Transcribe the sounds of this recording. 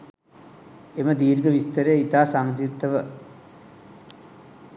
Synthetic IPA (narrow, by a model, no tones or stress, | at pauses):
eməd̪iːɾɡəʋist̪əɾejit̪aːsaŋzit̪ːəʋə